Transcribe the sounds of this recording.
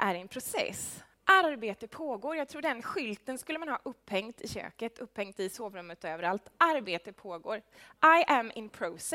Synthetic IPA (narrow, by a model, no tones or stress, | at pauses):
ʔæɾɛnpʰɾʊsɛ̰s | ʔaɾɾbeːt̪əpʰoːɡoːɾjɑɡ̚t̪ʰɾuːɖɛnɧʏlt̪ənskɵlːəmanɦɑ̰ːʔɵpːhɛŋt̪ɪɕø̰ːkət̪ʰɵpːhɛŋt̪ɪsoːvɾɵmːət̪ɔøːvəɾalt̪aɾbeːt̪əpʰoːɡoːɾʔajʔæmɪ̰npʰɾɔsɛ